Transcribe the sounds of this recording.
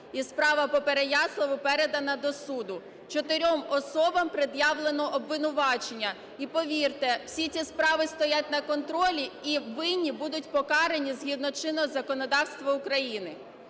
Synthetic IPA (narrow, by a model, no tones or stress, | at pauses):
ispɾɑʋɐpɔpeɾejɑslˠɔʋʊpɛɾed̪ɐnɐd̪ɔsud̪ʊ | t͡ʃɔt̪ɪɾʲɔmɔsɔbɐmpɾɪd̪jɑʋlˠenɔʔɔbʋɪnʊʋɑt͡ʃenʲːɐ | ipɔʋʲirt̪ɛwsʲit͡sʲispɾɑʋɪst̪ɔjat̚ʲnɐkɔnt̪ɾɔlʲiiʋɪnʲːibud̪ʊtʲpɔkɑɾenʲizɦʲid̪nɔt͡ʃɪnɔzɐkɔnɔd̪ɑwst̪ʋɐʊkɾɐjinɪ